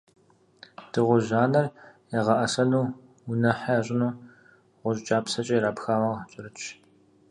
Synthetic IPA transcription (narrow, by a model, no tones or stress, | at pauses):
d̥ɨʁʷʊʑaːnɐrjɛʁɐʔɐsɐluː | wʊnɐħaaːɕʼɪnuː | ʁʷʊɕʼt͡ʃʼaːpsɐt͡ʃʼɐːjɾaːpxaːmɐʁt͡ʃʼɪɾɨt͡ʃʰ